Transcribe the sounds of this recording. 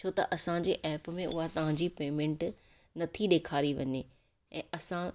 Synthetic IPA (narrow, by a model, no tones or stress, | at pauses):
t͡ɕʰoːt̪ɐ̰ʔɐsã̆d͡ʑeːʔɛːpmẽʔʊ̰ɦat̪ɐʋ̤ãɲd͡ʑiːpeːmẽɳʈ | nɐt̪ʰiɗeːkʰaːɾiʋɐ̰ɲeː | ɛ̃ːɐsã